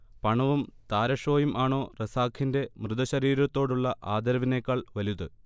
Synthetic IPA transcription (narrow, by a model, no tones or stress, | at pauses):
pɐɳɐʋumt̪aːɾɐʂo̞ːjumʔaːɳo̞ːresaːkʰinde̞mrɨðɐɕɐɾiːɾɐt̪ːo̞ːɽuɭːɐʔaːd̪ɐɾɐʋinekːɐɭʋɐliðɨ